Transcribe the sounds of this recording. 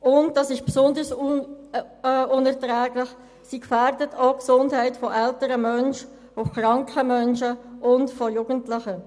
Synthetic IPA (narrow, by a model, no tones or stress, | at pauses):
ʔʊnt̚d̥ɑsɪʃpsʊndəɾs | ʊnɛʁtʁɛːɡlɪχ | siːkfɛɾdətʰoʊksʊndhɛɪtfɔʔɛltəɾəmœnʃ | oχɾɑŋkχəmœnʃəʊntfɔjuːɡ̥əntlɪχə